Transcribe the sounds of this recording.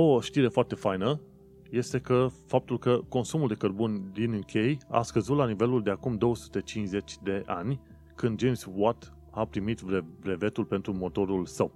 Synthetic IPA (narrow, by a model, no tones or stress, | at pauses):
o̞ʃt̪iɾe̞foart̪e̞fajnə | je̞st̪e̞kəfap̚t̪ulkəko̞nsumuld̪e̞kərbunʲd̪inɨŋkʲʰe̞ja̰skəzut̪lanive̞luld̪e̞akumd̪o̞wəsu̥t̪e̞t͡ʃinʃze̞t͡ʃʲd̪e̞ʔa̰nʲ | kɨnd̪d͡ʒe̞jmswat̪ | apɾimit̪vevɾe̞ve̞t̪ulpe̞nt̪ɾumo̞t̪o̞ɾulsəw